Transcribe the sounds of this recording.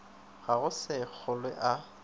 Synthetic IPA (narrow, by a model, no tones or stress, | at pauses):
ɣaɣʊsɪk͡xʰʊlwɪʔa